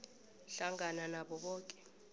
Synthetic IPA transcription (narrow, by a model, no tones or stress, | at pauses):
ɬaŋananaɓɔɓɔːkʼɛ̥